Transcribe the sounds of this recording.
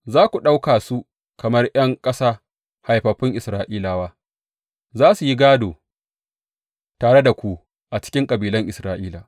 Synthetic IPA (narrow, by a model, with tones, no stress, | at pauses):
zaː˦kʷu˨ɗa˦wkaː˨su˦ | kɐ˨mɐ˦rj̰ɐ˦ŋkʼɐ˦saː˦ | ha˨jɸɐ˨ɸɪ˦ŋʔɪ˨sɾaː˨ʔiː˦laː˨waː˦ | zaː˦su˨ji˦ɡaː˦doː˨ | taː˨ɽe˦da˨kʷu˨ | ʔa˨t͡ʃɪ̥˦kʲɪ˦ŋkʼɐ˨biː˨lɐ˦ŋʔɪ˨sɾaː˨ʔiː˦laː˨